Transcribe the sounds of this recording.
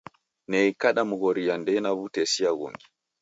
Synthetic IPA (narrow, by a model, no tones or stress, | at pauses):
nɛikaɗamuɣɔɾiandɛnaβutɛsiaɣṵŋɡi